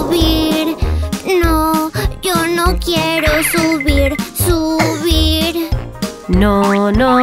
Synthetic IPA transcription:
βiɾnɐ̃ewnɐ̃w̃kjɛɾosuβiɾsuβiɾ | nõnõ

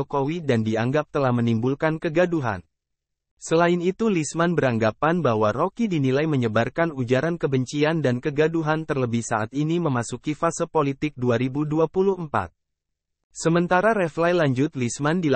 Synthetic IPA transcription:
okowidandiaŋɡap̚t̪əlahmənimbulkankəɡaduɦa̰n | səlaɪnit̪ulismanbəɾaŋɡapanbaɦwarokidinilajməɲəbarkanud͡ʒaɾankəbəɲt͡ʃiandankəɡaduɦant̪ərləbɪhsaʔat̪̚iniməmasukifasəpolit̪ɪk̚duaɾibuduapuluhəmpa̰t̪̚ | səmənt̪aɾaɾɛflajlaɲd͡ʒʊt̪̚lismandil

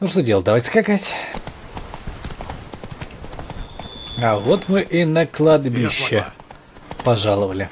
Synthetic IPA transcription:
nuʂt̪odʲelˠd̪ɐvatʲskakatʲ | avot̪mɨʔinəklˠɐd̪bʲiɕːɪ | pɐʐalˠəvəlʲɪ

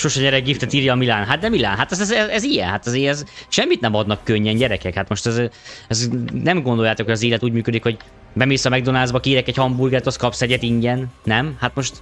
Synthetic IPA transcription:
ʃoʃɛɲɛɾɛɡ̚ɡift̪ɛt̪iːɾjɒːmilaːnɦat̪̚d̪ɛmila̰ːnɦat̪ɛzɛzɛzɛzijɛ̰nɦat̪ɒzeːɾɛzʃɛmːit̪nɛmɒd̪nɒkːøɲːɛnɟɛɾɛkɛkhat̪mo̞ʃt̪ɛzɛznɛmɡo̞nd̪o̞jaːt̪okhoɟɒzeːlɛt̪uːɟmyːkød̪ikho̞ɟ | bɛmeːsɒmɛɡ̚d̪o̞naːzbɒkiːɾɛkɛchɒmburɡɛt̪oskɒpsɛɟɛt̪iɲɟɛnːɛmhat̪mo̞ʃt̪

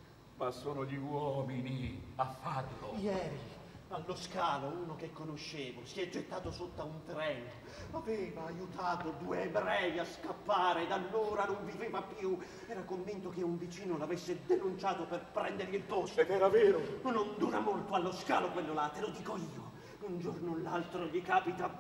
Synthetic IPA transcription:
masːoːnoʎiwɔːminiafːarlojɛːɾi | alːoskaːlouːnok̟ekːonoʃːeːvosiɛd͡ʒet̪ːaːt̪osot̪ːaunt̪ɾɛn | avɛːvaːjut̪aːt̪od̪uebɾɛːviaskapːaːɾeːd̪alːoːɾanoɱvipɾiːvapju | ɛːɾakoɱvint̪okeuɱvit͡ʃiːnolavesːed̪enunt͡ʃaːt̪operpɾɛnd̪erʎilpost̪oed̪ɛːɾavɛːɾonond̪uːɾamolt̪oalːoskaːlokwelːolaːt̪ːelod̪iːkoiːo | und͡ʒornolːalt̪ɾoʎikaːpit̪a

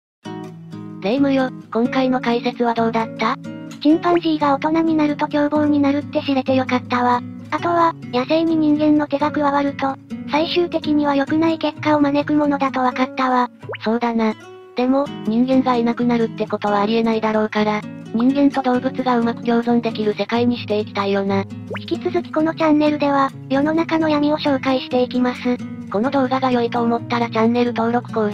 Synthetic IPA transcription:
zeimɯ̟jo̞kõ̞ŋkaino̞kaise̞t͡sɨβad̪o̞ːd̪at̪ːaɕĩmpãɰ̃ʑiːɡao̞t̪o̞naɲ̟inaɾɯ̟t̪o̞kʲo̞ːbo̞ːɲ̟inaɾɯ̟t̪ːe̞ɕiɾe̞t̪e̞jo̞kat̪ːaβa | at̪o̞βajaseiɲ̟iɲ̟ĩŋɡẽ̞nːo̞t̪e̞ɡakɯ̟ɡaβaɾɯ̟t̪o̞saiɕɨːt̪e̞kʲiɲ̟iβajo̞kɯ̟naike̞kːao̞mane̞kɯ̟mo̞no̞d̪at̪o̞βakat̪ːaβaso̞ːd̪ana | d̪̥e̞mo̞ɲ̟ĩŋɡẽ̞ŋɡainakɯ̟naɾɯ̟t̪ːe̞ko̞t̪o̞βaːɾʲie̞naid̪aɾo̞ːkaɾaɲ̟ĩŋɡẽ̞nt̪o̞d̪o̞ːbɯ̟t͡sɨɡaɯ̟makɯ̟ɡʲo̞ːzõ̞nd̪e̞kʲiɾɯ̟se̞kaiɲ̟iɕi̥t̪e̞ikʲi̥t̪ajo̞ːnaçi̥kʲit͡sɨzɨkʲi̥ko̞no̞t͡ɕãnːe̞ɾɯ̟d̪e̞βa | jo̞no̞nakano̞jam̟ʲio̞ɕo̞ːkaiɕi̥t̪e̞ikʲimasɨko̞no̞d̪o̞ːɡaɡajo̞it̪o̞ːmo̞t̪ːaɾat͡ɕãnːe̞ɾɯ̟t̪o̞ːɾo̞kɯ̟̥kõ

